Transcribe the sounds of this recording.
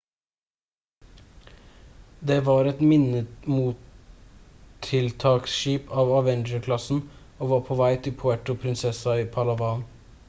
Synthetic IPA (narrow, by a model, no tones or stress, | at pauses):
d̪eːʋɑːɾɛt̪mɪnəmuːt | ɪlt̪ʰɑːksʃiːpɑːʋɑʋɛnd͡ʒəɾkʰlɑsn̩ | oːʋɑːɾpʰoːʋæɪt̪ʰɪlpʰʊæʈʊpʰɾɪnsɛsɑiːpʰɑlɑʋɑːn